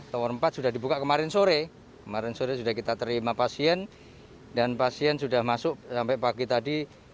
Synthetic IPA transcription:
t̪owɔnmpat̪̚sudahdibukaʔkəmaɾɪnsoɾe | kəmaɾɪnsoɾesudahkit̪at̪əɾimapasiɛn | danpasiɛnsudahmasʊʔsampɛʔpaɡit̪adi

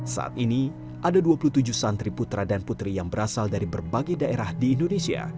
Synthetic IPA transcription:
sa̰ʔa̰t̪ini | ʔadaduapulut̪ud͡ʒʊhsant̪ɾiput̪ɾadanput̪ɾijaŋbəɾasaldaɾibərbaɡajdaeɾahdiːndonesia̰

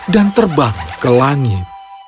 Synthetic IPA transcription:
dant̪ərbaŋkəlaŋit̪̚

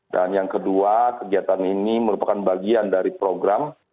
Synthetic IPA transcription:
danjaŋkəduakəɡiat̪aniniməɾupakanbaɡiandaɾipɾoɡɾam

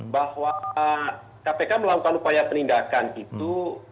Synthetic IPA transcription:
bahwa | kapekaməlakukanupajapənindakanit̪u

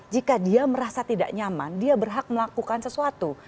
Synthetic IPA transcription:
d͡ʒikadiaməɾasat̪ida̰ʔɲama̰ndiabərɦak̚məlakukansəsuat̪u

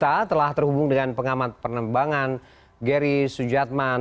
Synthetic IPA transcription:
t̪at̪əlaht̪ərhubʊŋdəŋanpəŋamat̪̚pərnəmbaŋan | ɡɛɾisud͡ʒat̪̚ma

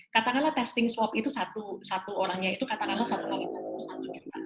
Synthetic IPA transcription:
kat̪akanlat̪ɛst̪ɪŋswɔpit̪usat̪usat̪uoɾaŋɲait̪ukat̪akanlasat̪ukalit̪asit̪usat̪ud͡ʒumt̪a̰

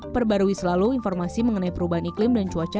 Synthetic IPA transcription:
pərbaɾuisəlaluinfɔrmasiməŋənaipəɾubaɦaniklɪmdant͡ʃuat͡ʃa

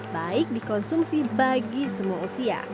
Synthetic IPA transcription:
baɪk̚dikɔnsumsibaɡisəmuausia̰

